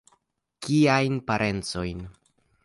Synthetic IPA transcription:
kiajnpaɾʔe̞nt͡so̞jn

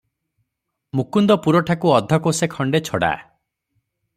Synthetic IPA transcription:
mukund̪ɔpuɾɔʈʰakuɔd̪ʱːɔkosekʰɔɳɖet͡ʃʰɔɽa̰

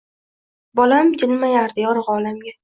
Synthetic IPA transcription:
bɒlamd͡ʒɪlmajaɾd̪ɪjɒɾʁɒlamɡʲa

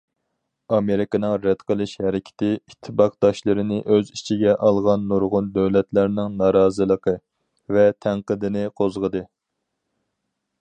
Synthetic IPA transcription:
ɑmeɾɪkɑnɨŋɾɛd̪̥qʰəlˠɨʃhɛɾɪkʲʰɪ̥t̪ʰɪit̪ʰːɨbɑqd̪̥ɑʃlˠɨɾɨnɪʔøzit͡ʃʰiɡʲɛʔɑlˠʁɑnːuɾʁʊnd̪øwlɛt̪læɾnɪŋnɑːɾɑːzɨlˠəqʰə | vɛt̪ʰæŋqəd̪ɪnɪqʰozʁəd̪ɨ

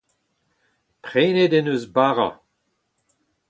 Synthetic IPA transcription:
pʁeːnedenøzbaːʁa̰

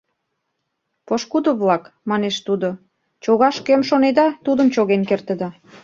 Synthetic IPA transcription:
poʃkud̪oβlɑkmɑneʃt̪ud̪o | t͡ɕoɣɑʃkømʃoned̪ɑt̪ud̪əmt͡ɕoɣenkert̪ə̆d̪ɑ

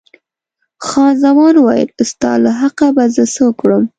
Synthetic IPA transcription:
xɑnzamɑnwɑjə̰lst̪ɑ̰laɦaqabazəsokɽəm

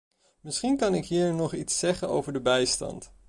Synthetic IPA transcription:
mɪsχinkɑnɪkɦiːɹnɔχitsɛχəno̰wvəɹdəbɛjstɑ̰nt

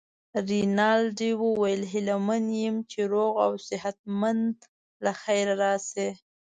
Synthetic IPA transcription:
ɾinɑlɖiwuwajəlɦɪlamanjɪmt͡ʃeɾoɣa̰wsɪɦat̪̚mand̪ | laxajɾaɾɑse

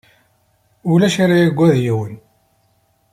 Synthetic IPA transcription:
ulæʃaɾajæɡʷæðjiwən

